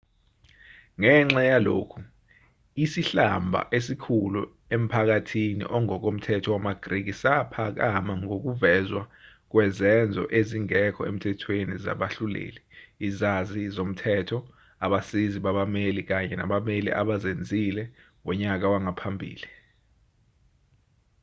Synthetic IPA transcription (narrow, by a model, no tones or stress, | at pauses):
ŋɛŋ͡ǁajalo̰ːkʰu | isiɬambʱa̰ʔesikʰulṵ | em̩pʰak̬atʰinḭʔɔŋɔk̬om̩tʰɛtʰɔwamaɡ̥rik̬isapʰak̬amaŋok̬uvɛzwa | k̬wɛzɛnd͡zʱɔ̰ʔeziŋɛkʰɔḛm̩tʰɛtʰweniza̰ɓaɬulḛːliːzazizom̩tʰɛtʰɔ | aɓasiziɓaɓamelik̬aɲɛna̰ɓamelḭʔa̰ɓazend͡zʱilɛ | wɛɲak̬awaŋapʰambʱḭːli